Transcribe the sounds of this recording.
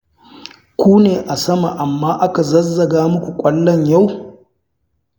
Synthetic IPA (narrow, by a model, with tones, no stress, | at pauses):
kʷuː˦neː˨ʔa˨sɐ˦ma̰˨ʔa˨mːaː˦ʔa˦ka˨zɐ˦zːɐ˨ɡaː˦mʊ˦kʷu˨kʷʼɐ˦lːɔ˦ɲja˦˨w